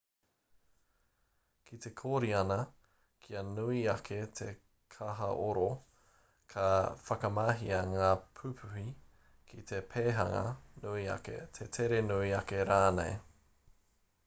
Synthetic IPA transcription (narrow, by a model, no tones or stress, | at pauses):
kʰit̪e̞kʰoɾiɐnɐ | kʰiɐnuiɐkʰet̪ʰe | kʰɐɦɐ̰ʔoɾo | kʰɐfɐkɐmaɦiɐŋaːpʰʉpʰuhi | kʰit̪ʰepʰeːɦɐŋɐ̰nuiɐ̰kḛt̪ʰetʰeɾenuiɐkeɾaːnḛj